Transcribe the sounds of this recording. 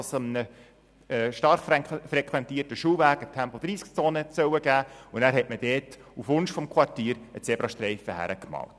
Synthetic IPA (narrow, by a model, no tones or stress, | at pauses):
səmənə | ɛʃtɑrχfɾɛkʰʋɛntiːərtəʃuːvæːɡətʰæmpɔd̥ɾiːskt͡soːnəsœwəɡæːʊnæːɾɦɛtməd̥ɛːt | ufʋʊnʃfɔmkʰwɑrtiːɾət͡sɛbɾɑʃtɾɛɪfəhæ̰ɾəkmɑ̰ːlt